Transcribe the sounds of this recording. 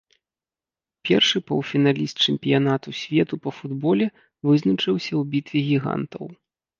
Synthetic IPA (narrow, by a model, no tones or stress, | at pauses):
pʲɛrʂɨpɐwfʲin̪alʲist̪̚t͡ʂɛmpʲijanat̪usʲvʲɛt̪upɐfud̪bɔlʲɛ | vɨznɐt͡ʂɨwsʲɐwbʲit̪vʲiɣʲiɣa̰nt̪ɐ̰w